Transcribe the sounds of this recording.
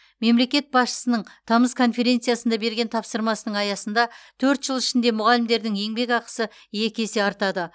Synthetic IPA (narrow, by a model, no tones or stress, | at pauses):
me̞mle̞kʲe̞t̪̚bɑsʃə̥sənəɴt̪ʰɑməzkʰo̞nfe̞ɾʲe̞nt̪sɨijasənd̪ɑbe̞ɾɡʲe̞nt̪ʰɑpsəɾmɑsənəɴɑjɑsənd̪ɑt̪ʰɵɾt̪ʒ̥əlˠɪʃɪnd̪e̞mʊʁɑlɪmd̪e̞ɾd̪ɪŋje̞ŋbe̞kɑqə̥sə | je̞kʲe̞se̞ɑɾt̪ɑd̪ə